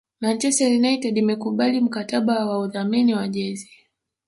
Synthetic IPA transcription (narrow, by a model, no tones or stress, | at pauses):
mant͡ʃɛstɛɾinaitɛɗimɛkuɓalim̩kataɓawauðaminiwaʄɛzi